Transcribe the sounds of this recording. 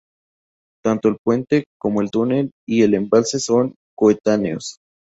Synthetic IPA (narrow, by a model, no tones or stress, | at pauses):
t̪ant̪oelpwe̞nt̪ekomo̞elt̪une̞lie̞le̞mbalse̞so̞ŋ | koet̪aneos